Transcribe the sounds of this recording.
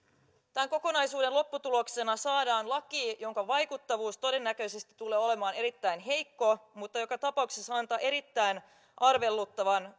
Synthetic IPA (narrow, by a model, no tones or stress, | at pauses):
t̪æŋko̞ko̞nɑjsuːde̞nlo̞pːut̪ulokse̞nɑsɑːdɑːnlɑkiːjo̞ŋkɑʋɑjkut̪ːɑʋuːst̪o̞de̞nːækø̞ise̞st̪i̥t̪ːuleːo̞le̞mɑːne̞ɾit̪ːæjnɦe̞jkːo̞mut̪ːɑjo̞kɑt̪ɑpɑuksesːɑnt̪ɑːʔe̞ɾit̪ːæjn | ʔɑrʋe̞lːut̪ːɑʋɑn